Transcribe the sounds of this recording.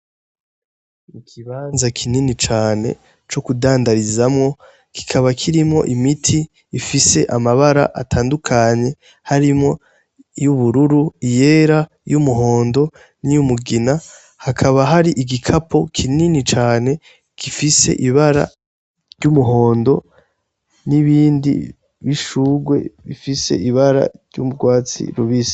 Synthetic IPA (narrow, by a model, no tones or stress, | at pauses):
ikʰiβaːnzakʰininit͡ʃaːne̞̰ | t͡ʃo̞kudaːndaɾizamŋo̞ | ki̥kʰaβakʰiɾimŋo̞̰ʔimitʰiː | fise̞ʔamaβaɾa̰ʔa̰tʰaːndukʰaɲe̞ | haɾimŋo̞ | juβuɾuɾuije̞ːɾa | jumuɦo̞ːndo̞ | nijumuɡina | hakʰaβaɦaɾiʔiɡikʰapʰo̞kʰininit͡ʃaːne̞ | kifise̞̰ʔiβaɾa̰ | ɾɟumuɦo̞ːndo̞ | niβiːndḭ | βiʃuːɡwe̞̰βifise̞̰ʔiβaɾa̰ɾɟṵmuɡɡwaːt͡sḭɾuβisi̥